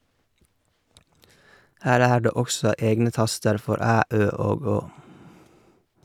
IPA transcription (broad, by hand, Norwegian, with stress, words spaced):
ˈhæːɾ ˈæː ˈɖeː ˈɔksɔ ˈeːɡnə ˈtɑstəɾ ˈfɔɾ ˈæː ˈøː ˈoːɡ ˈoː